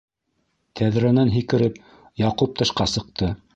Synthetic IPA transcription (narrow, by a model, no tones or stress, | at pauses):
t̪ʰæðɾænænɦikɘ̆ɾɘp | jɑqup̚t̪ɤ̆ʃqɑsɤ̆q̚t̪ɤ